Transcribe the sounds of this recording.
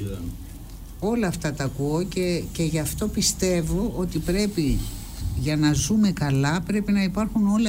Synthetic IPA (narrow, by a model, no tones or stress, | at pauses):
o̞lɐːft̪ɐt̪ɐːkuocece̞ʝɐft̪o̞pist̪e̞vo̞ʔot̪ipɾe̞pi | ʝɐnɐzume̞kɐlɐpɾe̞pinɐipɐɾxuno̞lɐ